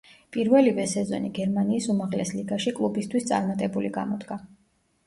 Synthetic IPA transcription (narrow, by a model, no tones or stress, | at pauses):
pʼiɾvɛlivɛsɛzɔ̰niɡɛɾmaniːsumaʁlɛsliɡaʃikʼlˠubist̪ʰwist̪sʼa̰ɾmat̪ʼɛbuliɡa̰mɔd̪ɡa